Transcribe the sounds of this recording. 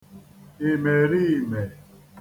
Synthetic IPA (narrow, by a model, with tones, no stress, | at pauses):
e˨me˨ɾi˦˨me˨